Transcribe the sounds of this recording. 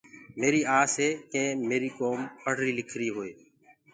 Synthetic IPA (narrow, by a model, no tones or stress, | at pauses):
meːɾiːaːsɦeːkẽːmeːɾiːkoːmpəɽ̤ɾiːlɪkʰɾiːɦoːeː